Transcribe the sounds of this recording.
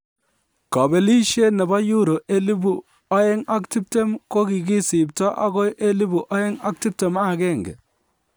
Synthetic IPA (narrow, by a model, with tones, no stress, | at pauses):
kɔ˨be˨li˦ʃe˦ne˨ba˦ju˦ɾo˨ʔe˦li˦bu˨ | a˦e˦ŋa˦kti˦p̚te˦mko˦ki˨ki˦si˨p̚tɔ˦ʔa̰˦ko˦jʔe˦li˦bu˨ʔa˦e˦ŋa˦k̚ti˦p̚te˨ma˦˨kɛ˦˨ŋɡɛ̰˨